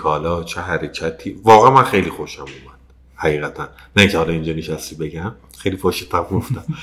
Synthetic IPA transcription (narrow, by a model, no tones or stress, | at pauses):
kʰɒːlɒːt͡ʃʰeɦæɾecʰæt̪ʰiːvɒːɣææmænxe̞jlixoʃæmumæd̪̥̚ | hæɣiːɣæt̪ʰænːæiŋcʰehɒːlɒind͡ʒɒːneʃæst̪iːbe̞ɟæm | xejlifoʃet̪ʰæmɡoft̪æm